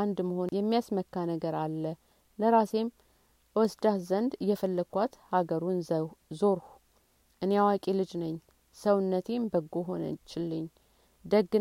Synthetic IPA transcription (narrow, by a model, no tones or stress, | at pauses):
and̪məho̞njɛmːijasməkːanəɡəɾalːə | ləɾase̞m | wɔsd̪ahzənd̪ɨjɛfəlːəkʰʷːat̪haɡəɾunzo̞ɾh | ʔɨnejawakʼelɨd͡ʒnəɲː | səwɨnːət̪ʰe̞mbəɡːoɦo̞nə̰t͡ʃɪlːɨɲː | d̪əɡːɨ